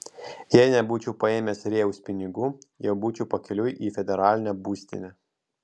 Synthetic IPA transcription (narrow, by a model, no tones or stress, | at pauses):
jɛɪnʲɛbuːt͡ʃʲuːpɐeːmʲeːsɾʲeːʊsʲpʲɪnʲɪɡuːjɛʊbuːt͡ʃʲupɐkʲɛlʲʊjʔiːfʲɛd̪ʲɛɾɑːlʲɪnʲɛbuːsʲt̪ʲɪ̰nʲɛ